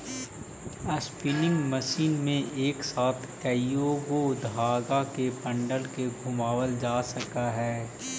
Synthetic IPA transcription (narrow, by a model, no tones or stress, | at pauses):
ɐspɪnɪ̃ŋɡməʃiːnmẽeːksaːt̪ʰkɐjoːɡod̪ʱaːɡakepɐ̃ɳɖəlkeɡʱʊmaːwəld͡ʒaːsɐkaɦɛː